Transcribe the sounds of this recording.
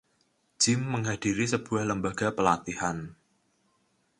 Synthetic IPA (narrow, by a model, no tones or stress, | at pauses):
d͡ʒ̥ɪmːəŋɦhad̥iɾisəb̥uahləmbaɡ̥apəlat̪ihan